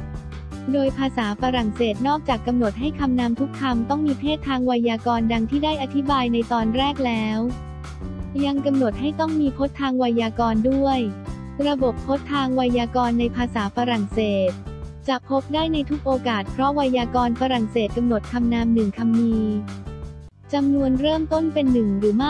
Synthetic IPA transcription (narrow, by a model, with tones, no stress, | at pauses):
doː˧jpʰaː˧saː˩˦fa˧ɾa˨˩ŋseː˨˩t̪̚nɔː˥˩k̚t͡ɕaː˨˩kːa˧mno˨˩t̪̚ɦa˥˩jkʰa˧mnaː˧mt̪ʰu˦˥kʰːa˧mt̪ɔ˥˩ŋmiː˧pʰeː˥˩t̪ʰːaː˧ŋwa˧jaː˧kɔː˧nda˧ŋt̪ʰiː˥˩daː˥˩jʔa˧t̪ʰi˦˥baː˧jna˧jt̪ɔː˧nɾɛː˥˩k̚lɛː˦˥w | ja˧ŋka˧mno˨˩t̪̚ha˥˩jt̪ɔ˥˩ŋmiː˧pʰo˦˥t̪ʰːaː˧ŋwa˧jaː˧kɔː˧ndu˥˩əj | ɾa˧bo˨˩pʰːo˦˥t̪ʰːaː˧ŋwa˧jaː˧kɔː˧nːa˧jpʰaː˧saː˩˦fa˧ɾa˨˩ŋseː˨˩t̪̚t͡ɕa˨˩ʔpʰo˦˥p̚daː˥˩jna˧jt̪ʰu˦˥k̚ʔoː˧kaː˨˩t̪̚pʰɾɔ˦˥wa˧jaː˧kɔː˧nfa˧ɾa˨˩ŋseː˨˩t̪̚ka˧mno˨˩t̪̚kʰa˧mnaː˧˥mnɯ˨˩ŋkʰa˧mniː˧ | t͡ɕa˧mnu˧ənɾɤː˥˩mt̪o˥˩npe˧nːɯ˨˩ŋɾɯː˩˦ma˥˩